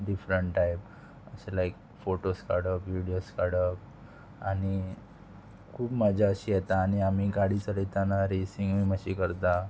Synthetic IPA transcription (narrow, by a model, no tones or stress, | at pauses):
ɖifɾəɳʈʈːajp̚ | ə̰ɕelaik̚ | foʈoskaɽəkʋiɽioskaɽək | aɽi | kʰuːbmad͡ʑʱaəɕijet̪aːɽ̃iam̤iːɡaɽiːt͡səɾit̪anaɾisiŋɡʋiməɕikəɾt̪a